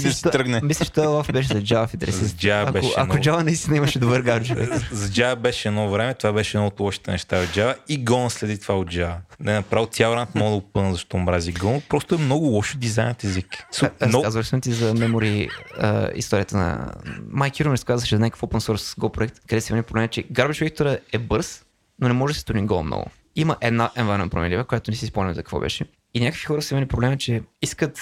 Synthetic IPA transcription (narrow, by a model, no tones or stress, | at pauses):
d̪ɐsit̪ɔt̪ɾəɡnɛmislʲət͡ʃɛ̥t̪ɔɛlˠafbɛʃ̬ɛzɐd͡ʒavəfint̪ɛɾɛszid͡ʒaɐkbɛʊɐ̰nkʊd͡ʒavənɐist̪ʲinɐimɐʃɛd̪ʊbəɾɡaɾt͡ʃʊvɛ̰kzɐd͡ʒavɐbɛʃɛɛd̪ɔvɾɛmɛt̪ovabɛʃɛd̪nɔot̪lˠɔʃi̥t̪ɛnɛʃt̪aod̪d͡ʒavəiɡɔnslɛd̪it̪vaod̪d͡ʒavənɛnɐpɾavilˠt̪ʲjaɾant̪mɔɡd̪əʊpənzɐʃt̪ɔmɾazʲiɡɔnpɾɔst̪ʊɛmnɔɡʊlˠɔʃod̪izajnt̪ɛziksɾɐɔkazvəsumt̪izɐmɛmoɾiə̰ḭst̪ɔɾʲijət̪ənɐ̰majkʲiɾumɛɾskazvət͡ʃɛzɐnakə̥fopənsɔɾsɡɔpɾoɛk̚t̪kd̪ɛsivimɛnʲipɾoblɛmt͡ʃɛɡaɾbɛʃvʲɛkt̪oɾəɛbɤɾs | nonɛmɔʒsi̥st̪uɾnʲiɡɔ̰mno̰ɡʊ̰ | iməʔɛd̪naʔɛnvannpɾo̰mɛ̰nlivəkoʊjat̪ʊnɛsispomnʲizɐkə̥k̪vɔ̰bɛ̰ʃɛ | inʲakə̥kvixɔɾəsimɛnʲipɾoblɛmət͡ʃɛiskət̪